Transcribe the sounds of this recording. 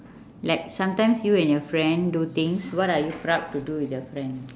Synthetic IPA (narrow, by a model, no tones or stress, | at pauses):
lak̚sãmtãj̃msjuɛ̃njɔfɹɛ̃ndut̪ĩŋswɔtajupɹap̚tːuduwitəfɹɛ̃n